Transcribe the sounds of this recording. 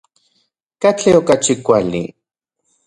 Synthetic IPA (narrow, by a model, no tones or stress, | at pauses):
kat͡ɬeokat͡ʃikʷalḭ